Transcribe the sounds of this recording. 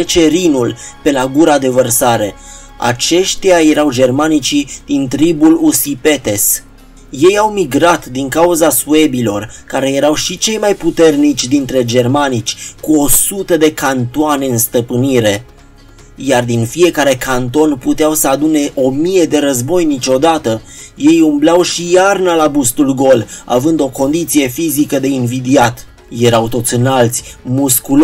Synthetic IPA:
et͡ʃe̞ɾinulpe̞laɡuɾad̪e̞vərsaɾe̞ | a̰t͡ʃe̞ʃt̪jaje̞ɾawd͡ʒe̞rmanit͡ʃid̪̥int̪ɾibulusipe̞t̪e̞s | je̞jawmiɡɾat̪d̪iŋkauzasue̞bilo̞rkaɾe̞je̞ɾawʃit͡ʃe̞jmajput̪e̞rnit͡ʃʲd̪int̪ɾe̞d͡ʒe̞rmanit͡ʃʲkuo̞sut̪əd̪e̞kant̪uane̞ɨnst̪əpɨniɾe̞ | jard̪infie̞kaɾe̞kʰant̪o̞nput̪eawsəad̪une̞ʔo̞mije̞d̪e̞ɾəzbo̞jnit͡ʃʲo̞d̪at̪əje̞jumblawʃijarnəlabust̪ulɡo̞la̰vɨnd̪o̞ko̞nd̪it̪sije̞fizikəd̪e̞invid̪iat̪ | je̞ɾawt̪o̞t̪sʲɨnalt̪sʲmuskul

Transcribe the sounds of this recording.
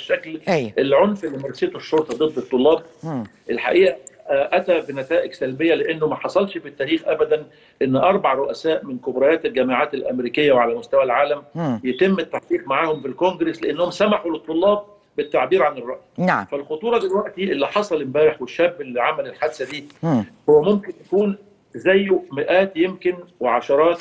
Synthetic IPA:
ʃːæklæjʔelʕonfelːimɑɾˤset̪oʃːoɾt̪ˤɑd̪ˤɨd̪ˤːet̪ˤːolːɑːb̚ʔelħa̰ʔiːʔæʔæt̪æbɪnæt̪æːʔɪɡsælbejːæleʔenːʊmæħɑsˤɑlʃfit̪ːæːɾiːxʔæbæd̪æn | ʔenːʔɑɾˤbɑʕɾˤoʔæsæːʔmɪnkobɾˤɑːjæːt̪elɡæmaʕaːt̪elʔæ̰mɾiːkɪjːæweʕalæmʊst̪æwælʕaːlæmjet̪emːɪt̪ːaħqiːqmaʕaːhomfilkoŋɡɾesleʔenːohomsæmaħulet̪ˤːolːɑːb̚ | bɪt̪ːaʕbiːɾʕanerˤːɑʔjfælxot̪ˤuːɾˤɑd̪elwæʔt̪iʔelːiħɑsˤɑlɪmbæːɾeħweʃːæːbːelːiʕamælelħad̪sæd̪iːhowːæmomkɪnj̪ækuːn | zæjːmɪʔæːt̪jemkɪnweʕaʃɑɾˤɑːt̪

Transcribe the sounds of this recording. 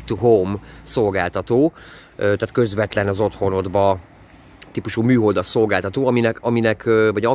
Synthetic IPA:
t̪uɦomso̞lɡaːlt̪ɒt̪oː | øt̪aːt̪kø̞zʋɛt̪lɛnɒzo̞t̪ho̞no̞d̪bɒ | t̪iːpuʃuːmyːɦo̞ld̪ɒso̞lɡaːlt̪ɒt̪oːɒminɛkɒminɛkʰøvɒɟɒ

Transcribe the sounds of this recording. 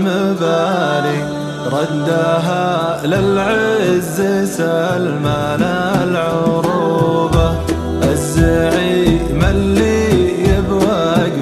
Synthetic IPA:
mabali | ɾˤɑd̪ːaɦalɪlʕezɪsalma | na | lʕʊɾuba | ʔazːaʕi | malːijɪbwa | ɡ

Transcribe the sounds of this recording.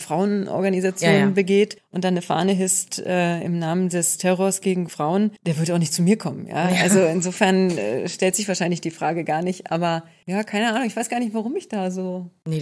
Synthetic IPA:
fʁ̥aʊənʔɔ̰ɐɡanizat͡sjoːnnbəɡeːtʔʊntd̥anːəfa̰ːnəɦɪstʔɛːɪ̰mnaːməndɛstʰɛʁɔɐsɡ̥eːɡŋ̩fʁ̥aʊənd̥eːɐvʏɐtaʊxnɪçtt͡sumiːɐkʰɔmənja̰ːʔalzoɪnzoːfɛɐnɛ̰ʃtɛltz̥ɪçv̥aɐʃaɪnlɪçd̥iːfʁ̥aːɡəɡaːɐnɪçtʔa̰ːbɐ | jaːkʰaɪnəʔaːnʊŋɪçvaɪɡ̥aːɐnɪçtv̥aʁʊmɪçd̥aːzoːne

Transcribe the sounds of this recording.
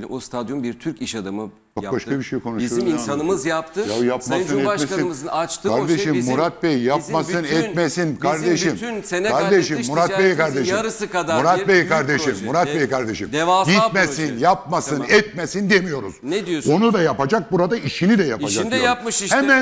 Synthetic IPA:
ost̪ʰad̪jonbiɾt̪ʰyɾciʃad̪amɯ | t͡ʃobaʃkabiʃejkʰo̞nuʃuiinsanɯmɯzjap̚t̪ʰɯjajapmasɯnɛamesinzat͡ʃt̪ʰɯkʰaɾd̪eʃʃimːuɾat̪̚bɛjjapmasɯnɛt̪mesinkʰaɾd̪eʃimnenkʰaɾd̪eʃimːuɾat̪bɛjikʰaɾd̪eʃiɾɯsɯkad̪amuɾat̪bɛjkaɾd̪eʃimːuɾat̪̚bejikʰaɾd̪eʃimd̪evaɡit̪mɛsinjap̚masɯnɛt̪̚mesind̪emijo̞ɾuz̥ned̪ijoonud̪ajapad͡ʒak̚buɾad̪aiʃinid̪ɛjapaʃd͡ʒak̪ujapmɯʃhɛmæn

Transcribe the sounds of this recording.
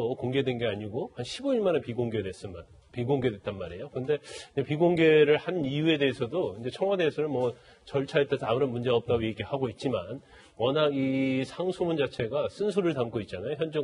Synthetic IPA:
okoŋɡe̞dwenɡe̞aɲiɡohanɕʰiboiɭmanepiɡoŋɡe̞dwe̞s͈ɯnan | piɡoŋɡe̞dwe̞t͈̚anmaɾe̞jokɯʌnde̞iɲd͡ʑepiɡoŋɡe̞ɾɯɭhanijue̞de̞esʰʌdoind͡ʑe̞t͡ɕʰʌŋwade̞ːsʰʌnɯnmwʌ | t͡ɕʌɭt͡ɕʰaet͈asʰʌamuɾʌnmund͡ʑe̞ɡaʌp̚t͈aɡoje̞ɡiɭhaɡoit̚t͡ɕ͈iman | wʌnaɡisʰaŋsʰomund͡ʑat͡ɕʰe̞ɡas͈ɯnsʰuɾɯɭtamk͈ʰoit̚t͡ɕ͈anajoçjʌnd͡ʑe

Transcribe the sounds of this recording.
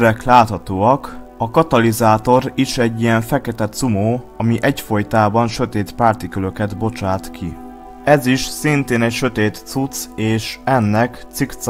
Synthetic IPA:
ɾɛklaːt̪hɒt̪oːɒk | ɒkɒt̪ɒlizaːt̪o̞ɾiʃɛɟːijɛɱfɛkɛt̪ɛt̪sumoː | ɒmiʔɛcfo̞jt̪aːbɒnʃøt̪eːt̪paːrt̪ikølø̞kɛd̪bo̞t͡ʃaːt̪kʰi | ɛziʃsint̪eːnɛcʃø̞t̪eːt̪sut̪seːʃɛnːɛkt̪sikt̪s

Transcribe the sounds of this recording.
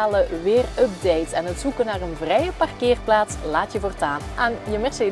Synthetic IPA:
aːləʋɪːrəp̚dejtɛnətsukənaːrənvrɛjəpɑrkɪːrplaːtslaːtjəvoːrtaːnʔɛnjəmɪsə

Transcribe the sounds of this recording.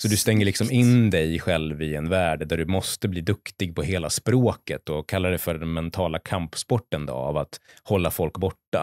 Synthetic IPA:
sɔd̪ɵst̪ɛŋːəɭɪksɔmɪnd̪ɛjɧɛlvɪɛnvæːɖd̪æɖɵmɔst̪əbliːd̪ɵkt̪ɪɡ̚pʰɔheːlaspɾoːkət̪ɔkʰalːaɖɛjfœɖɛnːɛnt̪ʰɑːlakʰampspɔʈːənd̪ɔ̰vat̪hɔlːafɔlkbɔʈːa̰

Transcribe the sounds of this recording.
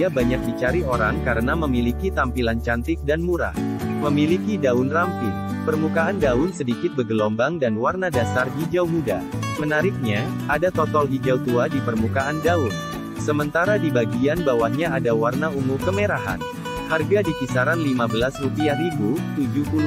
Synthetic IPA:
abaɲak̚dit͡ʃaɾioɾaŋkaɾənaməmilikit̪ampilant͡ʃant̪ɪk̚danmuɾa̰hməmilikidaʊnrampɪt̪pərmukaːndaʊnsədikɪt̪̚bəɡəlɔmbaŋdanwarnadasarɦid͡ʒawmudamənaɾɪk̚ɲa | adat̪ɔt̪ɔlɦid͡ʒawt̪uadipərmukaʔandaʊn | səmənt̪aɾadibaɡianbawahɲaadawarnaumurkəmeɾaɦa̰n | harɡadipisaɾanlimabəlasrupiahɾibut̪ud͡ʒupul

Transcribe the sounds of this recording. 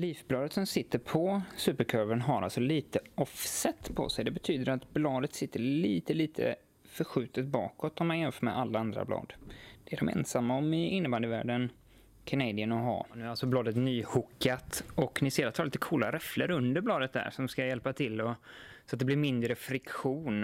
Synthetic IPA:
liːfblɑːd̪ət̪sɔmsɪt̪ːəɾpʰɔsʉ̟ːpəɾkʰœɾvənɦaɾa̰lsɔliːt̪əɔfsɛt̪ːpʰɔ̰sɛjd̪ɛbɛt̪ʰyːd̪əɾat̪blɑːd̪ət̪sɪt̪ːəliːt̪əliːt̪ʰə̰ | fœɾɧʉ̟ːt̪ət̪̚bɑ̰ːkɔt̪ːɔmanjɛnfœːɾmɛ̰ʔalːaand̪ɾa̰blɑ̰ːd̪d̪̥ɛæɖɔ̰mɛ̰nsamːaɔmɪɪnːəband̪əvæ̰ːɖən | kʰɛned̪ɪənɔɦɑ̰nʉ̟æɾalsɔblɑːd̪ət̪nyːhʊkːat̪ɔknɪseːd̪at̪ʰhɑːɾliːt̪əkʰuːla̰ɾɛflə̰ɾɵnd̪əɾblɑːd̪ət̪̚d̪æ̰sɔmmskajɛlpat̪ʰɪlːɔsɔat̪̚d̪ɛblɪɾmɪnd̪ɾəfɾɪkɧuːn

